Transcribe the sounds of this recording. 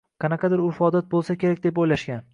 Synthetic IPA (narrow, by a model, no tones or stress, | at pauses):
qʰɑnɑqʰɑd̪ɪɾʊfɒd̪at̪̚bolˠsakʲʰe̞ɾakʲd̪ep̬ojlaʃkʲan